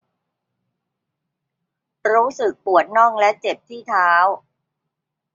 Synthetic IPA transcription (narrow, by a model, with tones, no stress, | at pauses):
ɾuː˦˥sɯ˨˩k̚pu˨˩ət̪̚nɔ˥˩ŋlɛ˦˥ʔt͡ɕe˨˩p̚t̪ʰiː˥˩t̪ʰaː˦˥w